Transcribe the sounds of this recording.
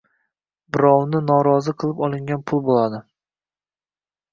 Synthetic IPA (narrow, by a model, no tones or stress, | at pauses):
bɪɾɒwnɪnɒɾɒzɨqʰɨlˠɪpɒlˠɪŋɡʲanpʰʊlˠbolad̪ɪ